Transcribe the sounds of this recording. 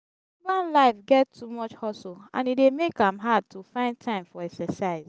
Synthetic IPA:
mãnlaɪfɡɛttʰːumɔt͡ʃhɔsoã̰nidemekãmɦad̚tʰufãɪ̃nd̚tʰãɪ̃mfɔɛksɛsaɪz

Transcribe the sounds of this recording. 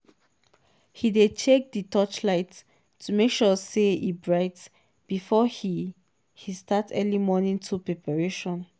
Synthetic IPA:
hidet͡ʃʰek̚ditʰɔt͡ʃlaɪt | tʰːumekʃɔseibɹaɪt | b̥ifɔhi | histʰatʰɛlimɔnĩŋtʰupɹɛpaɹeʃɔ̃n

